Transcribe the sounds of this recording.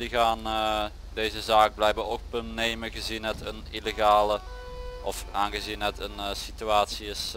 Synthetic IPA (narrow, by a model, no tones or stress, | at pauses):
diɣaːn | deːzəzaːk̚blɛjbaok̚bəneːməɣəzinɦətənileɣaːlə | ʔɔfaːnɣəzinɦətənsityaːtsiɪs